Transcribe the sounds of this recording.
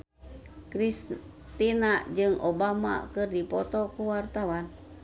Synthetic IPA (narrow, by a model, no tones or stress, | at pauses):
kɾis | t̪inad͡ʒɨŋʔobama̰kɨrdipɔt̪ɔkuwart̪awan